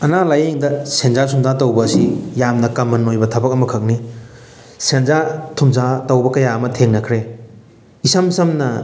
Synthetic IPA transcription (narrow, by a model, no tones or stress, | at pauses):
ɐnalajeŋdɐsenzasʰumzatɐwbɐːsijamnɐkɐmːɐnojbɐtʰɐbɐk̚ɐmɐkʰɐk̚ni | senzatʰumzatɐwbɐkɐjaɐmɐtʰeŋnɐkʰɾe | isɐmsɐmnɐ